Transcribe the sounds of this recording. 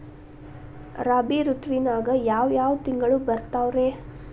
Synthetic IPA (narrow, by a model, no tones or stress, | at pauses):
ɾaːbiɾut̪ʋinaːɡɐjaːʋjaːʋt̪iŋɡɐɭubɐɾt̪aːʋɾeː